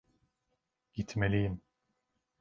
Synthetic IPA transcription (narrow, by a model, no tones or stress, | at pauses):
ɟ̥it̪ʰmelʲijim